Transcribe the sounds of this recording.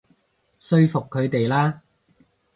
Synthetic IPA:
sɵ˥ɥfʊ˨kʰːɵ˨˧ɥt̪e˨jlaː˥

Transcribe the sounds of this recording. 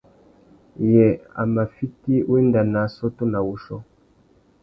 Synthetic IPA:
jɛ˨a̰˨ma˨fi˦ti˦wi˦nda˨na˨˦sɔ˦to˦na˨wu˨ʃɔ˦

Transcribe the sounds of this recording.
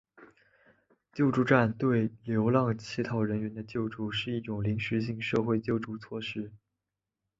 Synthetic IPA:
t͡ɕjo˥˧ʊʈ͡ʂu˥˧ʈ͡ʂa˥˩nt̪we˥˩ɪljo˧˥ʊlɑ˥˧ŋt͡ɕʰi˧˥t̪ʰɑ˧˥ʊɻə˧˥nɥɛ˧˥nd̪ə˧t͡ɕjo˥˧ʊʈ͡ʂu˥˧ʂɻ̩˥˧i˥˩ʈ͡ʂʊ˨˩ŋli˧˥ŋɕɻ̩˧˥ɕ̬i˥˧ŋʂɤ˥˧xwe˥˧ɪt͡ɕjo˥˧ʊʈ͡ʂu˥˩t͡sʰwɔ˥˧ʂɻ̩˥˩

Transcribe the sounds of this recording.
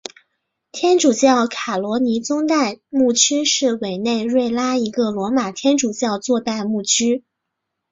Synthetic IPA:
t̪ʰjɛ˥nʈ͡ʂu˨˩t͡ɕjɑ˥˩ʊkʰa˨˩lwɔ˧˥ni˧˥t͡sʊ˥ŋt̪a˥˧ɪmu˥˩t͡ɕʰy˥ʂɻ̩˥˩we˨˩ɪne˥˧ɪɻwe˥˩ɪla˥i˧˥ɡə˧lwɔ˧˥ma˨˩t̪ʰjɛ˥nʈ͡ʂu˨˩t͡ɕjɑ˥˧ʊt͡swɔ˥˧t̪a˥˧ɪmu˥˩t͡ɕʰy˥

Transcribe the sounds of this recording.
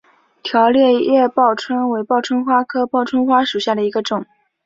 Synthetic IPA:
t̪ʰjɑ˧˥ʊljɛ˥˧jɛ˥˧pɑ˥˩ʊʈ͡ʂʰwə˥nwe˧˥ɪpɑ˥˩ʊʈ͡ʂʰwə˥nxwa˥kʰɤ˥pɑ˥˩ʊʈ͡ʂʰwə˥nxwa˥ʂu˨˩ɕja˥˩d̪ə˩i˧˥ɡə˧ʈ͡ʂʊ˨˩˦ŋ

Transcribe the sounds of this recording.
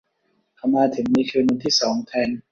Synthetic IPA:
kʰa˧mːaː˧t̪ʰɯ˩˦miː˧kʰɯː˧nu˧nt̪ʰiː˥˩sɔː˩˦ŋt̪ʰɛː˧n

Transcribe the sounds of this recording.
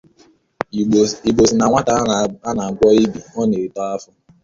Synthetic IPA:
i˨ɡ͡bo˨si˨na˨ŋʷa˦ta˨˦a˦na˨a˨ɡʷɔ˦i˦bi˨ɔ˦ne˨ɾi˨tɔ˦a˦fʊ˦

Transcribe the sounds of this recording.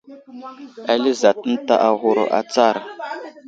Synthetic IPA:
a˨li˦za˨tə˦n̩˦ta˦˨ʔa˨ɣu˦˨ɾo̰˨ʔa̰˨t͡sa˦˨ɾa˨

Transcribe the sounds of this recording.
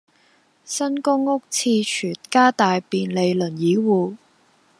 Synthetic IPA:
sɐ˥nkʊ˥ŋːʊ˥k̚t͡sʰiː˧t͡ʃʰyː˨˩nkaː˥t̪aː˨jpiː˨nle˨˧jlɵ˨˩njiː˨˥wuː˨

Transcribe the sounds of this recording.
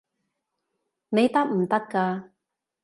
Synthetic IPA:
ne˨˧jt̪ɐ˥k̚m̩˨˩t̪ɐ˥kːaː˧

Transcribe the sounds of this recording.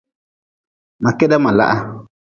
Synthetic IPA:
ma˨kɛ˦da˦ma˨la̰˦ʔa˦

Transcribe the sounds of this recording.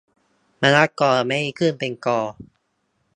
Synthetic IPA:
ma˧la˦˥kɔː˧˩˧me˧˦˥i˧kʰɯ˥˩˨npe˧nkɔː˧

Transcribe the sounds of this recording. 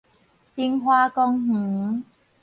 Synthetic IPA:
t̪i˧ŋɦwaː˧kɔ˧ŋh̩˨˩˦

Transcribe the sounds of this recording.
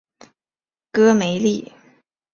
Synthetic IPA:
kɤ˥me˧˥ɪli˥˩

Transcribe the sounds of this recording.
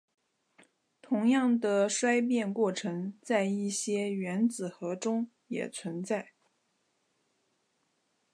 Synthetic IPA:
t̪ʰʊ˧˥ŋjɑ˥˩ŋd̪ə˩ʂwa˥ɪp̬jɛ˥˧nkwɔ˥˩ʈ͡ʂʰɤ˧˥ŋt͡sa˥˧ɪi˥˩ɕjɛ˥ɥɛ˧˥nt͡sɹ̩˨˩xɤ˧˥ʈ͡ʂʊ˥ŋ | jɛ̰˨˩t͡sʰwə˧˥nt͡sa˥˩ɪ

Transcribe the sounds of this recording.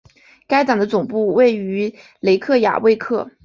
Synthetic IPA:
ka˥ɪt̪ɑ˨˩ŋd̪ə˦t͡sʊ˨˩ŋpu˥˧we˥˩ɪy˧˥ | le˧˥ɪkʰɤ˥˩ja̰˨˩we˥˧ɪkʰɤ˥˩

